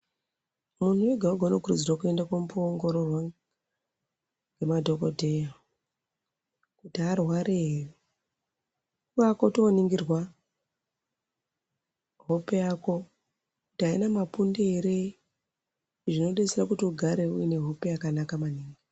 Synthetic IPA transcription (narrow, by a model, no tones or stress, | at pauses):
mun̤uweɡʱauɡʱounokurṵd͡zirwakue̞ndakwomupoːŋɡo̞ɾo̞rwa | ŋɡe̞madʱo̞kodʱe̞ja | kutiarwaɾeɦeri | kuʋakotoniŋɡirwa | ɦopejako̞ | kutiɦainamapundeeɾe | ʐino̞ɗeserakutiuɡʱaɾe̞uine̞ɦo̞pe̞jakanakamaniːŋɡi